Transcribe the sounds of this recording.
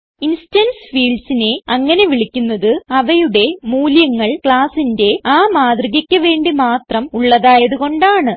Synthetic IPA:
instɐnsfiːɭɖsine̞ɐŋːɐne̞ʋiɭikʲːunːɐðɨɐʋɐjuɽe̞muːljɐŋːɐɭkɭaːsinde̞aːmaːd̪riɣɐkʲːɐʋe̞ːɳɖimaːt̪rɐmuɭːɐðaːjɐðuɣo̞ɳɖaːɳɨ

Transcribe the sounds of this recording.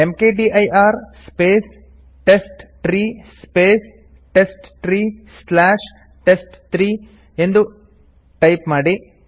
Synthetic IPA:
emkeːɖiːʔɐjʔaːɾspeːs | ʈesʈʈɾiː | peːs | ʈesʈʈɾiːslaːʂ | ʈesʈt̪ɾiː | e̞nd̪u | ʈɐjpmaːɽi

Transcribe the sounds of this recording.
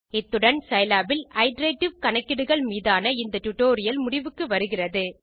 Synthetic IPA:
ɪt̪ːɯɽɐnsɐjlaːbɪlɐɪɖɾeːʈːɪʋkɐɳɐkːɪɽɯɣɐɭmiːðaːnɐɪnd̪ɐʈʊʈːoːɾɪjɐlmʊɽɪʋɯkːɯʋɐɾɯɣɪrɐðɯ

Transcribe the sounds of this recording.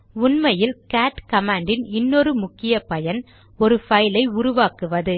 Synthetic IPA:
ʊɳmɐjɪlkaːʈkɐmaːɳɖɪnɪnːɔɾɯmʊkːɪjɐpɐjɐn | ɔɾɯfɐɪlɐɪʊɾʊʋaːkɯʋɐðɯ

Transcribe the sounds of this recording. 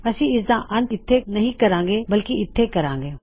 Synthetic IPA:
ɐsĩɪsd̪ãːʔɐ̃nt̪ɪt̪ʰːenɐɦĩkɐɾãːŋ̆ɡeːbɐlkiɪt̪ʰːekɐɾãːŋɡeː

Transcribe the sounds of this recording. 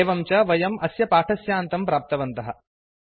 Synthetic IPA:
ʋɐmt͡ʃɐʋɐjɐmɐsjɐpaːʈʰɐsjaːnt̪ɐmpɾaːp̚t̪ɐʋɐnt̪ɐɦɐ

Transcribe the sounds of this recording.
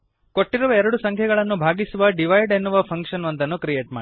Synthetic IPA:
ko̞ʈːiɾuʋɐɛɾɐɽusɐŋkʰjɛɡɐɭɐnːubʱaːɡisuʋɐɖiʋɐjɖenːuʋɐpʰɐŋkʂɐnʋɐnt̪ɐnːukɾijeːʈmaː

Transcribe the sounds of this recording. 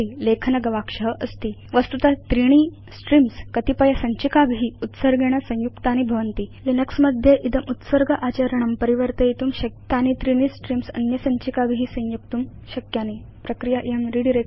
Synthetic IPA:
ilekʰnɐɡɐʋakʂəɦəʔəst̪iʋəst̪ut̪at̪ɾiɳ̃i | sʈɾimskət̪ipəjasəɲt͡ɕikabʱɦiːut̪səɾɡʱeɽ̃asə̃w̃jukt̪anibʱɐʋənt̪iːlinəksməd̪ʱjeʔit̪əmut̪səɾɡəʔat͡ɕaɾəɳəmpəɾiʋəɾt̪əit̪uːmɕɐkt̪anit̪ɾiɽ̃isʈɾimsɐ̰njɐsə̃ɲt͡ɕikabʱiɦiːsə̃w̃juk̚t̪um | ɕɐkjani | pɾɐkɾijaʔiəmɾiɽiɾe

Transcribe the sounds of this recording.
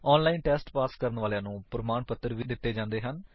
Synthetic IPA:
ɔːnlaːiːnʈɛːsʈpaːskəɾənʋaːljãːnũːpɾəmaːɳpət̪ːəɾʋiːd̪ɪt̪ːeːd͡ʒãːnd̪eːɦən

